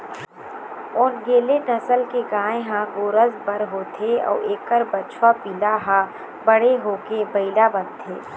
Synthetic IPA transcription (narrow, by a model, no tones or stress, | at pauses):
ɔːnɡeːlenɐsəlkeɡaːẽɦãɡoːɾəzbəɾɦoːt̪ʰeɔ̰ːeːkːəɾbət͡ʃʰwapiːlaɦã | bəɽ̤eɦoːkebɐɪlabənt̪ʰḛː